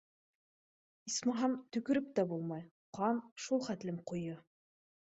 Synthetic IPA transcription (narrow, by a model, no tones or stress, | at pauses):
ismɑɦɑmt̪ɵ̆kɵ̆ɾɘp̚t̪æbulˠmɑj | qɑnʃulˠχæt̪lɘmqujɤ